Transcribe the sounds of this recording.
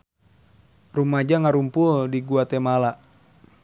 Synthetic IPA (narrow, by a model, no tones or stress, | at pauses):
rumad͡ʒaŋaɾumpuldiɡuat̪ɛmalaʔ